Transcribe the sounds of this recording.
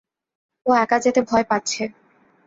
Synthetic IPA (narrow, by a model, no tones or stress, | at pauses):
oɛkad͡ʑet̪ebʱɔepatːɕʰe